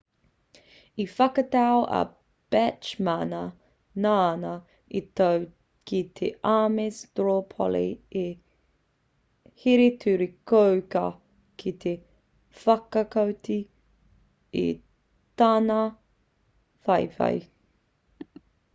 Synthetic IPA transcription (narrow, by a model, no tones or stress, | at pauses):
ifɐkɐtaoʔɐ̰ | b̥ɛt͡ʃmanɐ | nanɐ | itaw | kʰit̪ʰḛʔamesd̥ɹopʰo̰lḭe | hiɾetʰʉɾikowkɐ | kʰit̪ʰe | fɐkɐkɐwti | ḭ | tanɐ | fɐjfɐ̰j